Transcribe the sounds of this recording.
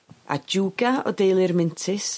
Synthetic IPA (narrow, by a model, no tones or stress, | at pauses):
a̰d͡ʒuːɡaɔ̰dejlˠɪrmɪntʰɪs